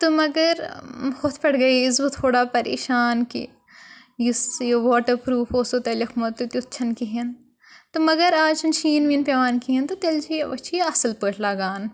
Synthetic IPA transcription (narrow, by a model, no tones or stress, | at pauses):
t̪omɐɡɐɾxʊt̪ʰpɐɽɡɐiɪzbot̪ʰoːɽaːpɐɾḛːʃaːnkḭ | jisjoʋaːʈɐɾpɾuːfoːsot̪ɐlɐkʰmɐt̪ut̪ʲut̪ːt͡ʃʰɐnkiɦen | t̪omɐɡɐɾaːd͡ʒɐnʃiːnʋinpeʋaːnkiɦent̪ot̪elt͡ʃʰiʋɐt͡ʃʰiɐsɐlpəːʈʰlaːɡaːn